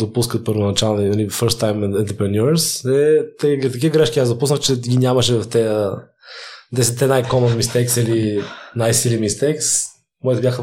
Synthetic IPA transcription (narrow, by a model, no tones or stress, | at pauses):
d̪opus̬kət̪̚pəɾvonɐt͡ʃalˠninɐlifəɾst̪ːajmɛnt̪ɾɛpɾɛnuɾsɛt̪ɛt̪ɐk̬ivəɡɾɛʃkʲiasd̪ɐpusnəxt͡ʃɛɡʲinʲamɐʃɛvɐft̪ɛjə | d̪ɛsɛt̪ːɛnajkɔmonmist̪ɛksilinajsilimist̪ɛks | mɔjt̪bʲjaxə